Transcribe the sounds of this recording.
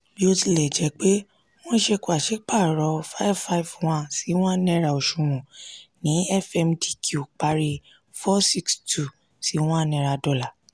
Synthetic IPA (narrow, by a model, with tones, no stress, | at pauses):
bi˦o˦˧ti˧˨lɛ˨d͡ʒɛ˨˧˦k͡pe˦ | w̃ɔ̃˦ʃɛ˧ku˧˦a˨ʃe˨˦k͡pa˦˨ɾɔ˧fa˦i˦vfa˧i˨vw̃ã˦˨si˨˦w̃ã˦nɛ̃˦˨ɾa˨o˨ʃũ˨mɔ̃˨nĩ˨˦ɛ˦˨fɛ˧mdi˨kʰu˨k͡pa˧ɾi˧ | fɔ˦si˧kstʰu˨ | si˨˦w̃ɔ̃˦˨nɛ̃˧˨ɾa˧dɔ˦˨la˨